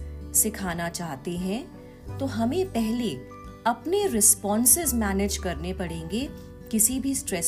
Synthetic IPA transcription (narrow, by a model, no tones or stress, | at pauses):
sɪkʰaːnat͡ʃaːɦt̪eɦɛ̃ | t̪oːɦɐmẽpɛɦle | ɐpneɾɪspɔ̃ːnsɪzmɛːned͡ʒkɐɾnepɐɽẽːŋɡe | kɪsibʱisʈɾɛs